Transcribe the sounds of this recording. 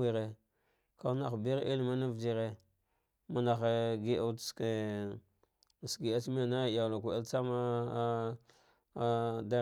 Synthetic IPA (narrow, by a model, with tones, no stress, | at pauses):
i˨ɾe˨ | ka˦na˨xbi˦ɾʔi˦lma˦na˦vd͡ʒi˦ɾe˨ | ma˨na˨xe˨ɡi˦ʔa˦ske˨ | sɡi˨a˦t͡ʃmi˦ja˨na˦˨ja˨la˨ku˨a˦lt͡sa˦ma˦ | da˦